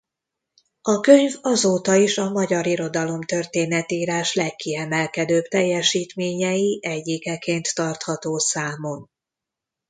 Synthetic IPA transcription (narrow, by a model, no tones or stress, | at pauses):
ɒkøɲvɒzoːt̪ɒiʃɒmɒɟɒɾiɾo̞d̪ɒlo̞mt̪ø̞rt̪eːnɛt̪iːɾaːʃlɛkːiɛmɛlkɛd̪øːpt̪ɛjːɛʃiːt̪meːɲɛjiʔɛɟːikɛkeːnt̪ːɒrt̪hɒt̪oːsaːmo̞n